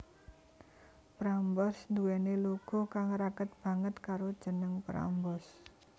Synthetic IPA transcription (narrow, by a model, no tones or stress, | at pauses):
pɾambɔsnd̪uwɛneloɡ̥ɔ̤kaŋɾaɡət̪̚b̥ä̤ŋət̪kaɾod̥ʒ̥ə̤nəŋpɾa̰mbɔs